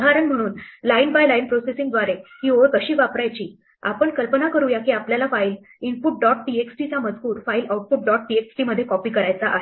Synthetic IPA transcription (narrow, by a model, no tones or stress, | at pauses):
d̪ʱaɾəɳm̤əɽ̃uːnlainbajlainpɾosesĩŋɡd̪ʋaɾehiːʋoɾk̪əɕiːʋapɾajt͡ɕiː | a̰pəɳkəlpənakəɾujakiːapljalafail | inpuʈ̚ɖɔʈ̚pieksʈit͡saməd͡zkuːɾfailʔauʈ̚fuʈ̚ɖɔʈ̚pieksʈiməd̪ʱːjekɔpiːkəɾajt͡saʔaɦe